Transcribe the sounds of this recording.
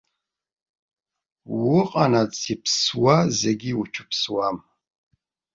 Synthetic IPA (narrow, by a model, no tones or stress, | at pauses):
wʊqʼanat͡sipʰswazeɡʲiwʊt͡ʃʷʰʊ̥pswam